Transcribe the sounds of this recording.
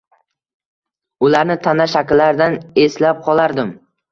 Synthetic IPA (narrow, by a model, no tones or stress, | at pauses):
ʊlaɾnɪt̪ʰanaʃakʲlːaɾd̪ane̞slap̚qʰɒlˠaɾd̪ɪm